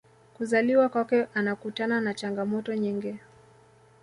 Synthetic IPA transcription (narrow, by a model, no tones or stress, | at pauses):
kuzaliwakwakɛʔanakutananat͡ʃaŋɡamɔtɔɲiŋɡɛ